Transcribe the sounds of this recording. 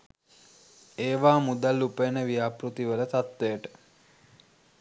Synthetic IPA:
eːʋaːmud̪alːupenəʋijaːpɾut̪iʋələt̪at̪ːejəʈə̥

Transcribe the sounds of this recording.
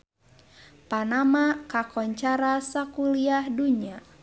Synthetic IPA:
panamakakɔɲt͡ʃaɾasakuliahduɲia

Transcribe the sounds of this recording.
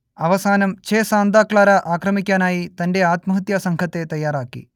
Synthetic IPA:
ɐʋɐsaːnɐmt͡ʃeːsaːnd̪aːkɭaːɾɐʔaːkɾɐmikʲːaːnaːjit̪ɐnɖeaːt̪mɐɦɐt̪jaːsɐŋkʰɐt̪ːet̪ɐjːaːɾaːkːḭ

